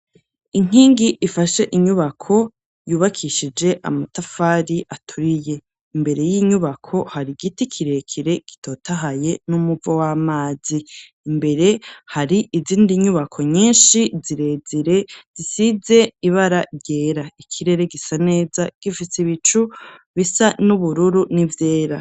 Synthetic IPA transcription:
iŋ̥iːŋɡiʔːfaʃe̞ʔiɲuβakʰo̞ | juːβakʰiʃid͡ʒe̞ʔa̰matafaɾiʔatʰuɾije̞ | imbe̞ɾe̞jiɲuβakʰo̞haɾiɡitikʰiɾe̞kʰiɾe̞ɡ̥i̥tʰo̞ːtaɦaje̞numuvowamaːziː | mbe̞ɾe̞haɾiʔiziːndiɲuβakʰo̞ɲiːnʃiziɾe̞ziɾe̞z̥isize̞iβaɾaɾɟe̞ːɾaikʰiɾe̞ɾe̞ɡisane̞ːzaɡ̥ifiseβit͡ʃuβisanuβuɾuɾunivjeːɾa

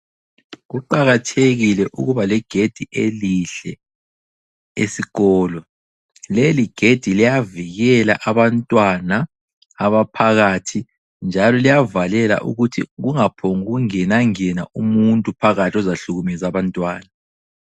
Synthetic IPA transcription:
ɣuǃaɣatʰeɣilɛʔṵɣuβalɛɡ̥ʱed̥ʱiʔḛliɬɛ | ḛsiɣɔːlɔ | leliɡ̥ʱed̥ʱilijaviɣɛla̰ʔaβantʼwanaː | βapʰaɣaːtʰi | nd͡ʒʱalɔlijavalɛla̰ʔṵɣutʰiɣuŋapʰoŋuɣuŋɛnaŋɛna̰ʔumuntʼupʰaɣatʰiɔzaɬuɣumɛzaβantʼwaːna

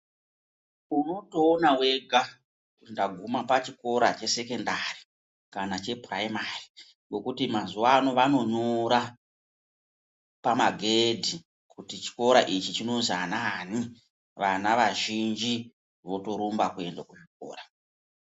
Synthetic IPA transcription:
uno̞to̞ːnawe̞ɡʱa | ndaɡʱumapat͡ʃiko̞ɾat͡ʃe̞se̞ke̞ndari | kanat͡ʃe̞praimari | ŋɡo̞kutimazuwano̞ʋano̞noɾa | pamaɡʱedʱi | kutit͡ʃi̥ko̞ɾaʔit͡ʃit͡ʃino̞zanani | ʋanaʋaʒind͡ʒi | ʋo̞to̞ɾumbakue̞ndakut͡ʃiko̞̰ːra

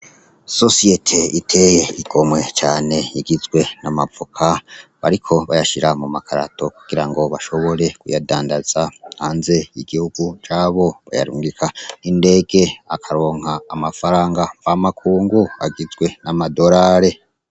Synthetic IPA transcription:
so̞sijetʰeitʰe̞jeiɡ̥o̞mwe̞t͡ʃaːne̞jiɡizɡwe̞namavukʰaβaɾikʰo̞βajaʃiɾamumakʰaɾa̰tʰo̞kuɡ̥iɾaŋɡo̞βaʃo̞βo̞ɾe̞kujadaːndaz̥ahhaːnze̞iɡ̥ihuɡ̥ut͡ʃaːβo̞βa̰ja̰ɾṵːŋɡikʰainde̞ːɡ̥e̞akʰaɾo̞ːŋ̥haːmafaɾaːŋɡabamakʰuːŋɡuaɡizɡwe̞namado̞ɾaːɾe̞

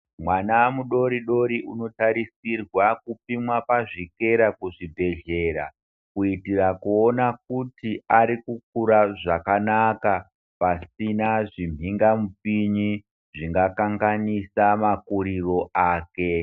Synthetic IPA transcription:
mwanaamuɗo̞ɾiɗo̞ɾiʔuno̞taɾisirwakupimwapaʐike̞ɾakuʐibʱe̞ɮe̞ɾa̰ | kuitirakuonak̚utiʔaɾikuk̚uɾaʐakanaka | pasinaʐim̤ʱiŋɡamupiɲi | ʐiŋɡakaŋɡanisamakuɾiro̞ʔaːke̞

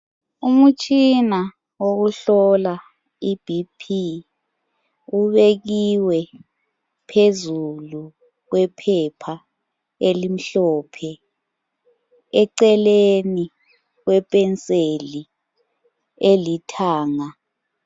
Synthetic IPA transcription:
umut͡ʃʼʰina | wokuɬɔla | ib̥ʱipʰi | uβek̬iwɛ | pʰezulu | k̬wɛpʰɛpʰa | elim̩ɬɔːpʰɛ | ɛǀɛleni | k̬wɛpʼɛnt͡sʼeli | elitʰaːŋa

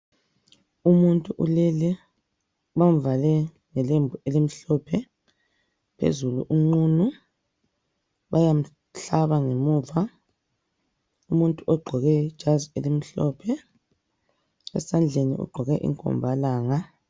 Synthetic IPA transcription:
umuntʼuʔṵlɛlɛ | βam̩valɛ | ŋɛlembʱuelim̩ɬɔpʰɛ | pʰḛzulṵʔuŋ͡ǀuːnu | βajam̩ | ɬaβaŋemuːva | umuntʼuʔɔɡ͡ǃʱɔɣɛ̥ʒ̥ʱazielim̩ɬɔːpʰɛ | ɛ̰sand͡ɮʱenḭṵɡ͡ǃʱɔɣɛʔḭŋkʼɔ̰mbʱalaːŋa

